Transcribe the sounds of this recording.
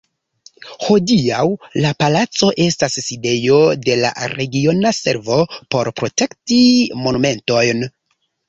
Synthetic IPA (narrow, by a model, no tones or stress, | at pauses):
ho̞diawlapalat͡so̞ʔe̞stasːide̞jo̞de̞la̰ɾe̞ɡio̞nase̞ɾvo̞po̞ɾpɾo̞te̞ktimo̞nume̞nto̞jn